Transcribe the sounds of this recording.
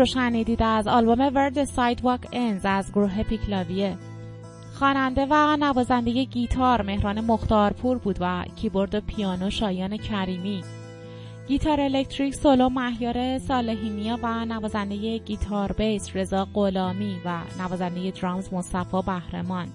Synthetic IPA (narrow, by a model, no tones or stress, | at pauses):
oʃæniːd̪iːd̪æzɒːlbo̞me̞veɾd̪esɒjd̪vɒkʰenzæzɡoɾuːɦe̞pʰicʰlɒːvije | xɒːnænd̪e̞vænævɒːzænd̪e̞je̞ɟiːt̪ʰɒɾme̞hɾɒːne̞mo̞xt̪ɒːɾpʰuɾbuːd̪væcʰibo̞ɾd̪opʰijɒːnoʃɒːjɒːne̞cʰæɾiːmi | ɟ̥it̪ʰɒːɾe̞lect̪ʰɾicsolomæhjɒːɾe̞sɒːle̞ɦiːmijɒːvænævɒːzænd̪e̞je̞ɟiːt̪ʰɒɾbe̞jsre̞zɒːɢolɒːmivænævɒːzænd̪e̞je̞d̪ɾɒːmzmosæfɒːbæhɾe̞̰mɒn